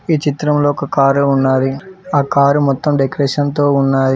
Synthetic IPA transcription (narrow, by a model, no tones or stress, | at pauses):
iːt͡ʃit̪ɾɐmloːɔkɐkaːɾunːaːɾiaːkaːɾumɔt̪ːɐmɖekɾeːʂɐnt̪o̞ːunːaːji